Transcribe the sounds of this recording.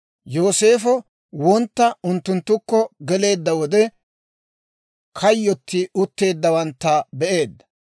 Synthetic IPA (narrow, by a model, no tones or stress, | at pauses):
jo̞ːse̞ːfɔ | wɔnt̪ːɐʊnt̪ːʊnt̪ːʊkːɔɡɛle̞ːd̪ːɐwɔd̪ɛ | kʰɐjːɔt̪ːɪʊt̪ːe̞ːd̪ːɐwɐnt̪ːɐbɛʔe̞ːd̪ːɐ̥